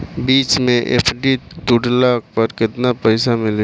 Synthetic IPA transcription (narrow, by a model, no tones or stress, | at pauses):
biːt͡ʃmẽʔḛːpʰɖit̪uɖlaːk̚pɐɾkɪt̪napɛɪsamɪl